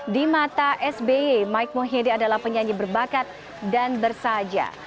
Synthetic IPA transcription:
dimat̪aʔɛsbeemaik̚moɦediadalahpəɲaɲibərbakat̪̚ | danbərsad͡ʒa̰

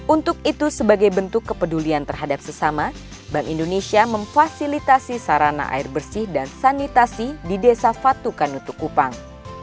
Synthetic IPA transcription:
ʔunt̪ʊk̚it̪usəbaɡajbənt̪ʊkːəpəduliant̪ərɦadap̚səsama | baŋindonesiaməɱfasilit̪asisaɾana̰ʔa̰irbərsɪhdansanit̪asididesafat̪ukanut̪ukupaŋ

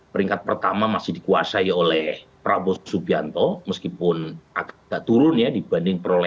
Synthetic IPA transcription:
pəɾiŋkat̪̚pərt̪amamasɪhdikuasajaolɛhpɾabɔsubiant̪ɔməskipʊnʔakɡ̥aʔt̪uɾʊnjadibandɪŋpəɾolɛ

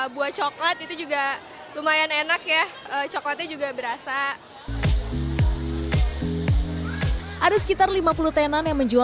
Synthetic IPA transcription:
buaht͡ʃɔklət̪it̪ud͡ʒuɡa | lumajanenakjahət͡ʃɔklat̪̚ɲad͡ʒuɡabəɾasa | ʔadasə̥kit̪arlimapulut̪enanjaŋməɲd͡ʒua

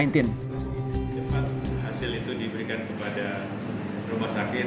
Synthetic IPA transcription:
jnt̪ɪn | amaŋt͡ʃəpat̪̚hasɪlit̪udibəɾikankəpada | rumahsakɪ

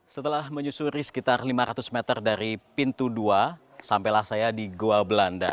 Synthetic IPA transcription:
sət̪əlahməɲusuɾisə̥kit̪arlimaɾat̪usmɛt̪ərdaɾipint̪udua | sampelahsajadiɡoabəlanda̰

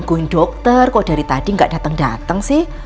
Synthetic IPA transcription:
ɡonɖɔk̚t̪ərkod̥a̤ɾit̪ad̥iŋɡaʔd̥a̤t̪əŋdat̪əŋsɪh

